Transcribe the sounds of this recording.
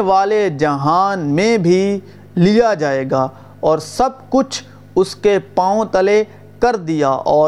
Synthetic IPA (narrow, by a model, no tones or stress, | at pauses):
ʋaːled͡ʒɐɦaːnmẽbʱi | lijad͡ʒaːeːɡaː | ɔːɾsɐb̚kʊt͡ʃʰ | ʊskepãːõt̪ɐle | kɐɾd̪ijaːʔɔː